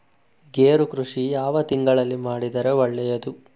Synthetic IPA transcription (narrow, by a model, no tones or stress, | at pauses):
ɡeːɾukɾuʂijaːʋɐt̪iŋɡɐɭɐlːimaːɽid̪ɐɾe̞ʋɐɭːɛjɐd̪u